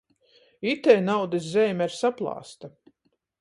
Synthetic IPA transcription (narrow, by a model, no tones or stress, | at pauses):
it̪ɛjnawd̪is̬zɛːmʲɛɾsaplˠɑ̰ːst̪a